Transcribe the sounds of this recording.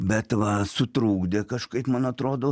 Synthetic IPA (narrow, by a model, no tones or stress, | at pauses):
bʲɛt̪ʋɐsʊt̪ɾuːɡd̪ʲekɐʃkɐɪpmɐnɐt̪ɾoːd̪oː